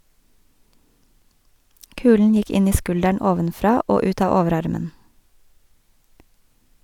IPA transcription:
ˈkʉːln̩ ˈjɪk ˈɪn ˈiː ˈskʉldæɳ ˈoːʋənˌfɾɑː ˈoː ˈʉːt ˈɑː ˈɔʋəˌɾɑɾmən

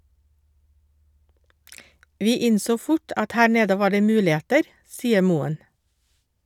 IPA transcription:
ˈʋiː ˈɪnsoː ˈfʊʈ ˈɑt ˈhæː ˈɳeːdə ˈʋɑː ˈɖeː ˈmʉːlɪˌeːtəɾ ˈsiːə ˈmuːən

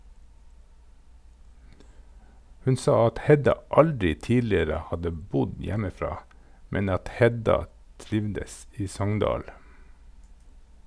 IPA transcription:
ˈhʉn ˈsɑː ˈɑt ˈhɛdɑ ˈɑldɾɪ ˈtiːlɪɾə ˈhɑdə ˈbʊd ˈjæməˌfɾɑː ˈmɛn ˈɑt ˈhɛdɑ ˈtɾɪʋdəs ˈiː ˈsɔŋndɑːl

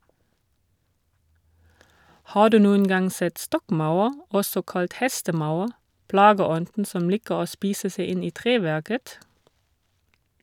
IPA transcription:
ˈhɑː ˈdʉː ˈnuːən ˈɡɑŋ ˈsɛt ˈstɔkˌmaʊɑʁ ˈɔsɔ ˈkɑlt ˈhɛstəˌmaʊɑʁ ˈplɑːɡəˌɔndn̩ ˈsɔm ˈliːkəʁ ˈoː ˈspiːsə ˈseɪ ˈɪn ˈiː ˈtʁeːˌʋæʁkət

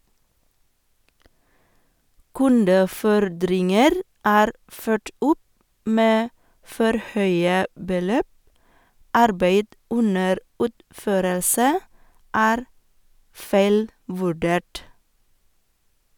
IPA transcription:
ˈkʉndəˌfɔɾdɾɪŋəɾ ˈæːɾ ˈføːʈ ˈʔʊp ˈmeː ˈfɔɾ ˈhœʏə bəˈløːp ˈʔɑɾbeɪd ˈʔʊnəɾ ˈʉːtˌføːɾəlsə ˈæːɾ ˈfæɪlˌʋʉˌɖeːʈ

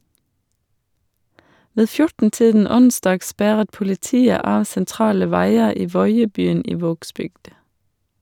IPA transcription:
ˈʋeː ˈfjʊʈn̩ ˈtiːdn̩ ˈʊnsdɑːɡ ˈspæʁət pʊlɪˈtiːə ˈɑː sɛnˈtɾɑːlə ˈʋæɪə ˈiː ˈʋɔʏəbyːn ˈiː ˈʋoːɡsbʏɡd

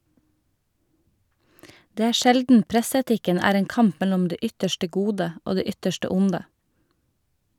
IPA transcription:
ˈdeː ˈæː ˈʃɛldn̩ ˈpɾɛsɛˌtɪkən ˈæːɾ ˈeːŋ ˈkɑmp ˈmɛlʊm ˈdeː ˈʏtəʃʈə ˈɡuːdə ˈoː ˈdeː ˈʏtəʃʈə ˈʊndə

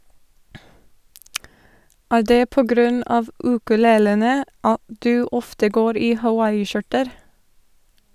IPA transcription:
ˈæːɾ ˈdeː ˈpoː ˈɡɾʉn ˈɑːʋ ˌʉːkʉˈleːlənə ˈɑt ˈdʉː ˈɔftə ˈɡoːɾ ˈiː hɑˈwɑɪɪˌʃʊʈəɾ

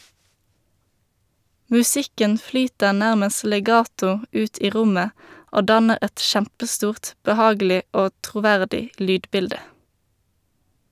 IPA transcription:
mʉˈsɪkən ˈflyːtəʁ ˈnæʁməs lɛˈɡɑːtʊ ˈʉːt ˈiː ˈʁʊmə ˈoː ˈdɑnəʁ ˈɛt ˈʃæmpəˌstuːʁt bəˈhɑːɡl̩ɪ ˈoː tʁʊˈʋæʁdɪ ˈlyːdˌbɪldə

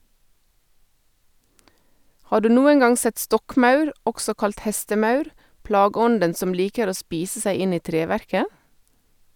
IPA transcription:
ˈhɑː ˈɖʉː ˈnuːən ˈɡɑŋ ˈsɛt ˈstɔkˌmɑʉɾ ˈɔɡsɔ ˈkɑlt ˈhɛstəˌmɑʉɾ ˈplɑːɡəˌɔndən ˈsɔm ˈliːkəɾ ˈoː ˈspiːsə ˈsæɪ ˈɪn ˈiː ˈtɾeːˌʋæɾkə

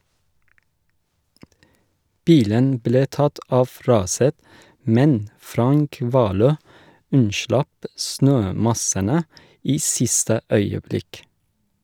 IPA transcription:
ˈbiːlən ˈbleː ˈtɑt ˈɑf ˈɾɑːsət ˈmɛn ˈfɾɑŋk ˈʋɑːˌløː ˈʉnˌʃlɑp ˈsnøːˌmɑsənə ˈiː ˈsɪstə ˈœʏəˌblɪk

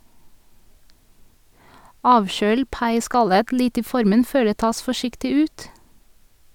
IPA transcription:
ˈɑːʋˌʃøːl ˈpɑɪˌskɑlət ˈlɪt ˈiː ˈfɔɾmən ˈføː ˈdeː ˈtɑːs fɔˈʃɪktɪ ˈʉːt

